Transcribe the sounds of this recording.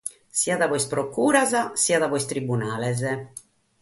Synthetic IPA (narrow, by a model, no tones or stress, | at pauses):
siaðavɔjspɾokuːɾazasiaðavɔjst̪ɾibunaːlɛzɛ